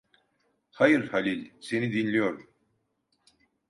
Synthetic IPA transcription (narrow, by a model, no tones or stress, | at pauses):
hajɯɾhalʲilʲse̞nid̪inlʲijoɾu